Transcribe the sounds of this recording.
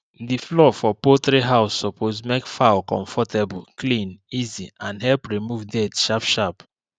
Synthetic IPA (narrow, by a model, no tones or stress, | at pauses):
ðiflɔfɔpoθɾiɦaʊsːɔpʰozmekfaʊlkɔ̰̃ɱfɔtebɔlklĩniziãnɦɛlpɹimuvdɛdʃapʃap